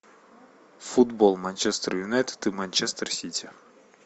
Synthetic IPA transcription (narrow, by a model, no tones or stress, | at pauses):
fud̪bolˠmanʲt͡ʃɛst̪rjunɛt̪ːɨmanʲt͡ʃɛst̪ərsʲit̪ʲi